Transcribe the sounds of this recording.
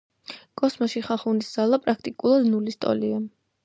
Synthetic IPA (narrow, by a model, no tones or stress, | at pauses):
kʼɔsmɔʃiχaχunisd̪z̥alˠapʼɾakʰt̪ʼikʼulˠad̪nulist̪ʼɔ̰lia